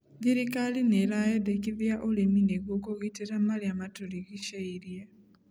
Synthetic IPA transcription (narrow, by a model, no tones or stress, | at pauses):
ðiɾikalineɾajedekiβjaʔolemineɣokoɣiteɾamaliamatoliɣiʃaiɾja